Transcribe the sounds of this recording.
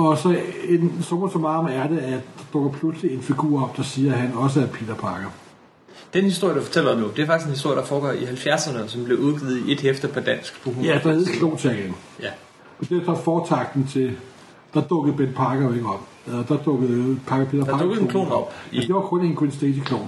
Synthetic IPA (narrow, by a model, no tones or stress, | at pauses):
ɒ̽sɒ̽e̝nsɔmɐsɒ̽mɑ̈ɒmæɐd̥eæɐd̥ɑ̈d̥ɔ̽ɡ̥ɐpʰlusəlie̝nfiɡ̥ṵːɐ̰ɒ̽b̥̚d̥ɑ̈siːɐɦænɒ̽s̬əæɐpʰe̝̰ːd̥ɐpʰɑ̈ɡ̥ɐ | d̥enhisd̥oɐ̰jəd̥ufɒ̥t͡sʰel̰ɐɒmnud̥e̝ɐfɑ̈ɡ̥isenhisd̥oɐədɑ̈fɒːɡ̥ɒ̰ihælfjæɐsɐnəsɒ̽mb̥le̝ʔuðˠɡ̥ið̞̩ˠe̝d̥hefd̥ɐpʰɒ̽d̥æn̰sɡ̥b̥uɡjæd̥ɑhe̝ð̩ˠkʰlo̝̰ːnt͡sʰɛɡeŋ | j | ɒd̥ed̥ɑfɒːt͡sʰɑ̈ɡ̥̚d̥n̩t͡sʰe̝ | d̥ɑ̈d̥ɔ̽ɡ̥ð̩ˠb̥enpʰɑ̈ɡ̥ɐjoe̝ɡ̥əɒ̽b̥ | elɐd̥ɑ̈d̥ɔ̽ɡ̥əð̩ˠpʰɑ̈ɡ̥ɐpʰe̝̰dɐpʰɑ̈dɔɡklo̰ːnɒb̥d̥e̝ʋɑ̈ɡ̥ʁɔn̰enɡ̥ʁensd̥esikʰlo̝̰ːn